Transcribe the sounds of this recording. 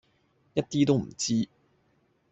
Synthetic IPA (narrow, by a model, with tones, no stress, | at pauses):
jɐ˥t̚t̪iː˥t̪o˥wm̩̰˨˩t͡siː˥